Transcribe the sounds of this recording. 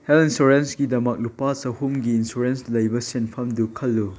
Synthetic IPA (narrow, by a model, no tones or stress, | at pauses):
helinsuɾensɡidɐmɐk̚lupasɐhumɡiːnsuɾenslɐjbɐsenpʰɐmdukʰɐlːu